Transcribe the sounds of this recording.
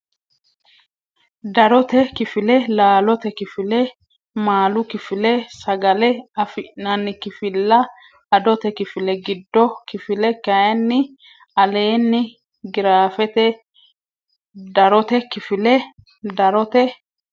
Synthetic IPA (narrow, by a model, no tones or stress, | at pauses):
d̪ɐɾɔt̪ɛkɪfɪlɛlaːlɔt̪ɛkɪfɪlɛ | maːlʊkɪfɪlɛsɐɡɐlɛɐfɪʔnɐnːɪkɪfɪlːɐ | ɐd̪ɔt̪ɛkɪfɪlɛɡɪd̪ːɔkɪfɪlɛkɐjɐnːɪ | ɐle̞ːnːɪ | ɡɪɾaːfɛt̪ɛ | d̪ɐɾɔt̪ɛkɪfɪlɛ | d̪ɐɾɔt̪ɛ